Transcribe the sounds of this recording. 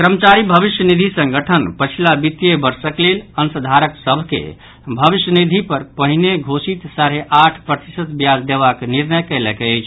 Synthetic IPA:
kɾəmət͡ʃaɾibʱəbiʃjənid̪ʱisə̃ŋɡəʈʰənpət͡ʃʰilabit̪jebəɾsəklelənsəd̪ʱaɾəksəbʱkḛ | bʱəʋisjənid̪ʱipəɾpəɦineɡʱosit̪saɾeʔaʈʰpɾət̪isət̪bjad͡ʒd̪eβakniɾnəjkɛlɛkeəjt͡ʃʰ

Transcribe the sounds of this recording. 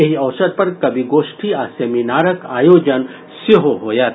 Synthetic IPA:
jɐɦiɐʋsɐd̪̚pɐɾkɐbʱiɡoːʃʈʰiaːseːminaːɾɐkaːjoːd͡ʒɐn | sɐɦoɦoːjaːt̪

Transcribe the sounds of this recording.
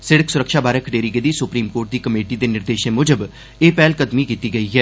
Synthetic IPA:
sɪɽəksʊɾəkʃaːbaːɾeːkʰəɖeːɾiɡeːd̪iːsʊpɾiːmkoːɾʈ̚d̪iːkəmeːʈiːd̪eːnɪɾd̪eːʃẽːmʊd͡ʒəb | eːpɛːlkəd̪miːkiːt̪iːɡəiːɦɛː

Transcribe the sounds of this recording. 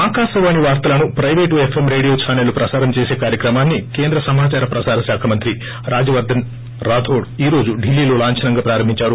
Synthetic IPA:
aːkaːʃɐʋaːniʋaːɾt̪ɐlɐnupɾɐjʋe̞ːʈepʰemɾe̞ːɽijoːsʰaːnɐlupɾɐsaːɾɐmt͡ʃeːseːkaːɾjɐkɾɐmaːnːikeːnd̪ɾɐsɐmaːt͡ʃaːɾɐpɾɐsaːɾɐsjaːkʰɐmɐnt̪ɾi | ɾaːd͡ʒɐʋɐɾd̪ːɐn | ɾaːd̪ʱoːɽiːɾo̞ːd͡ʒuɖilːiːloːlaːɲt͡ʃʰɐnɐŋɡaːpɾaːɾɐmbʱiɲt͡ʃaːɾu

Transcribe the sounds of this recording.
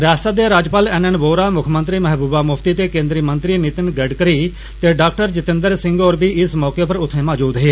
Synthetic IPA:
ɾɪjaːst̪aːd̪eːɾaːd͡ʒpaːlɛːnənboːɾaːmʊkʰmə̃nt̪ɾiːmɛɦbuːbaːmʊpʰt̪iːt̪eːkẽːnd̪ɾiːmə̃nt̪ɾiːnɪt̪ɪnɡəɖkəɾiː | t̪eːɖaːkʈəɾd͡ʒɪt̪ɪ̃nd̪əɾsɪ̃ŋɡoːɾbiːʔɪsmɔːkeːpəɾʊt̪ʰːẽːmɔːd͡ʒuːd̪ɦeː

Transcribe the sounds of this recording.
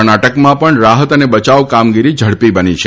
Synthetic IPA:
naʈəkmãpəɳɾaɦət̪ənebət͡ʃaʋkamɡiɾid͡ʒʱəɽpibənit͡ʃʰe

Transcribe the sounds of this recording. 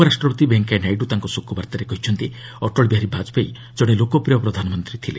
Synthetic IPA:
pɔɾasʈɾɔpɔt̪ibeŋkajnajʈut̪aŋkɔsokʰːubaɾt̪aɾekɔɦit͡ʃʰɔnt̪iɔʈɔɭbiɦaɾibʱad͡ʒɔpaj | d͡ʒɔɽ̃elokɔpɾijɔpɾɔd̪ʱanɔmɔnt̪ɾit̪ʰile

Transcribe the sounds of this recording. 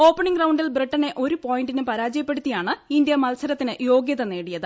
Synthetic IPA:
o̞ːpːɐɳiŋɡrɐwɳɖilbriʈːɐne̞ʔo̞ɾupo̞ːjinɖinɨpɐɾaːd͡ʑɐjɐpːe̞ɽut̪ːijaːɳɨindjɐmɐlsɐɾɐt̪ːinɨjo̞ːɡjɐðɐne̞ːɽijɐðɨ

